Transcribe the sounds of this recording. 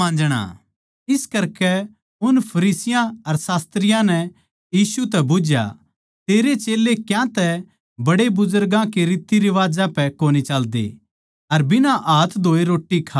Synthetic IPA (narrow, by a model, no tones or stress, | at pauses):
ãːd͡ʒɽ̃a̰ː | ɪskɐɾkɛ | ʊnpʰɐɾiːsɪjãɐɾsaːst̪ɾɪjãnɛ | jiːsut̪̬ɛbʊd͡ʒja̰ | t̪eːɾet͡ʃeːlːekjãt̪ɛ | bɐɽebʊzʊɾɡãkeɾiːt̪ːiɾɪʋaːd͡ʒãpɛkoːnit͡ʃɐld̪ḛ | ɐɾbɪnãʔaːt̪ʰd̪ʱoːeɾoːʈːikʰaː